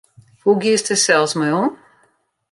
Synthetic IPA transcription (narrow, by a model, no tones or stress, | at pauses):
huɡistəsɛlˠsmɔjɔn